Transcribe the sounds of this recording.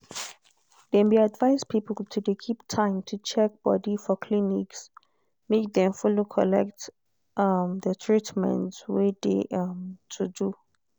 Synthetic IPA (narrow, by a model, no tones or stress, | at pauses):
dɛ̃nbiadvaɪspʰipəltʰudekʰip̚tʰãɪ̃mtʰut͡ʃʰɛk̚b̥ɔ̰difɔkʰliniks | mek̚dɛ̃mfulokʰɔlɛ̰k̚t | mdətʰɹitmɛ̰̃ntwedḛʔmtʰudu